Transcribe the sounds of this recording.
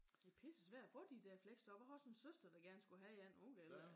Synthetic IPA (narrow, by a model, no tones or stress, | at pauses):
d̥epʰesəsʋæɐ̰d̥æfɔ̰̽ːd̥id̥æɐ̰fleɡ̥sd̥ɒ̥̽ɒhɒsɔnsøsd̥ɐd̥ɑ̈ɡ̥æɐnsɡ̥uɦæi̥enɔŋɡ̥əelɐ